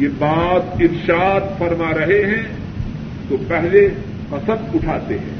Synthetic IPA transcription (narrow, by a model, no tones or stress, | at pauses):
jebaːt̪ɪɾʃaːt̪fɐɾmaɾɐɦeɦɛ̃ | t̪opɛɦle | qɐsəmʊʈʰaːt̪eɦɛ̰̃ː